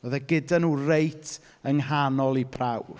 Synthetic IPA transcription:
oðɛɡɪdanuːrejtʰ | əŋhanɔlˠipʰraw

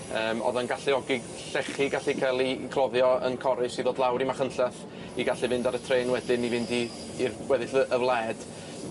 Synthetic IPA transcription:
əːmɔ̰ðanɡaɬɪɔɡɪɡ | ɬɛχiɡaɬikʰalˠikʰlˠɔðjɔə̰nkʰɔɾɪsiðoːdlˠawɾimaχənɬɛθ | iɡaɬivɪndaɾətʰreːnwɛdɪnivɪndiː | rwɛðɪɬəʔəvlˠɛːd̥

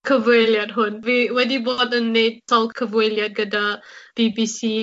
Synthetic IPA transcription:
kʰəvueljat̚ɦonwiwɛdibɔtənːetsɔlkʰəvueljat̚ɡədab̥ibisi

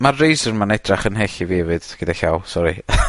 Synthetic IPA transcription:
marːejsənmanɛdraχənɦeɬiveːvɨd̥ɡ̥ədaɬawlˠsɔɾḭ

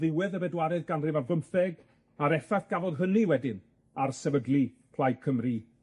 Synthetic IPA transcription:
ðɪwɛðəbɛdwaɾɛðɡanrɪvavəmθɛɡ | aɾɛfaθɡ̥avɔðɦəniwɛdɪn | arsɛvəɡlˠi | pʰl̥ˠajkʰəmri

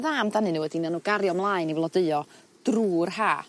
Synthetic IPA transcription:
ðamdanɨnuːədinanuːɡaɾjɔmlˠaːɨnivlˠɔdəɨɔ | d̥ruːrhaː

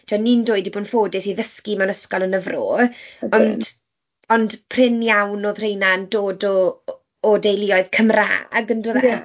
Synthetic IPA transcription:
tʰɛnːindoːɨdiboːnfoːdɪsiðəskimɛwnəskɔlˠənəvro̰ːɔnd | ɔnd̥pʰr̥ɪnjawnoːðr̥ejnandoːdɔː | dejlˠɪɔɨð̥kʰəmra̰ːɡəndoðɛ

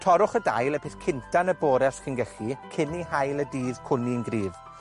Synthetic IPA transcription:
tʰɔɾʊχəda̰jlˠɛpʰɪθkʰɪntʰanəboːɾɛsχɪnɡɛɬikʰɪniɦajlˠədiːðkʰʊniənɡriːv

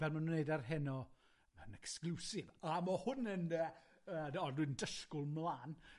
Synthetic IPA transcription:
vɛlˠmannejdarɦɛnɔ | ənɛksklusɪvamɔhʊnənə | əːɔdwɪndəʃkʊlˠmlˠaːn

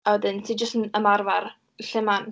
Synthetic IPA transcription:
awɛdɪntʰid͡ʒəstənəmarvar | ɬɪman

